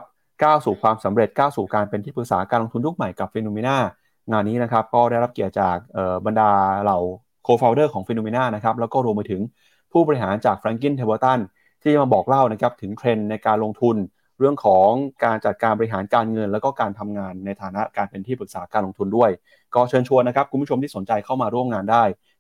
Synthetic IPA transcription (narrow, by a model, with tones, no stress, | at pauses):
p̚ | kaː˥˩wsuː˨˩kʰwaː˧msa˩˦mɾe˨˩t̪̚kaː˥˩wsuː˨˩kaː˧npe˧nt̪ʰiː˥˩pɯ˨˩k̚saː˩˦kaː˧lo˧ŋt̪ʰu˧nju˦˥˩k̚ma˨˩jka˨˩p̚fi˧nuː˧me˧naː˥˩ | ŋaː˧nːiː˦˥na˦˥kʰa˦˥p̚kɔː˥˩ɾa˥˩jɾa˦˥p̚ki˨˩ət̪̚t͡ɕaː˨˩k̚ʔɤː˨˩ba˧ndaː˧la˨˩w | kʰoː˧fʰaː˧wdɤː˥˩kʰɔː˩˦ŋfe˧nuː˧meː˧naː˥˩na˦˥kʰɾa˦˥p̚lɛ˦˥wkɔː˥˩ɾu˧mpːa˧t̪ʰɯ˩˦ŋ | pʰuː˥˩bɔː˧ɾi˥ɦaː˩˦nt͡ɕaː˨˩k̚fɾaː˧ŋk̬i˥˩nt̪ʰeː˧boː˧t̪a˥˩n | t̪ʰiː˥˩t͡ɕa˩ma˧˩bɔː˨˩k̚la˥˩wna˦˥kʰa˦˥p̚t̪ʰɯ˩˦ŋk̪ʰɾe˧nːa˧jkaː˧nlo˧ŋt̪ʰu˧n | ɾɯ˥˩əŋkʰɔː˩˦ŋkaː˧nt͡ɕa˨˩t̪̚kaː˧nbɔ˧i˥ɦaː˩˦nkaː˧nŋɤ˧nlɛ˦˥wkɔː˥˩kaː˧nt̪ʰa˧mŋaː˧nːa˧jt̪ʰaː˩˦na˦˥ʔkaː˧npe˧nt̪ʰiː˥˩pɯ˨˩k̚saː˩˦˥kaː˧nlo˧ŋt̪ʰu˧ndu˥˩əj | kɔː˥˩t͡ɕʰɤː˧nt͡ɕʰu˧ənːa˥kʰa˦˥p̚kʰu˧pʰu˥˩o˧mt̪iː˥˩o˩˦nt͡ɕa˧jkʰa˥˩wmaː˧ɾu˥˩əmŋaː˧ndaː˥˩j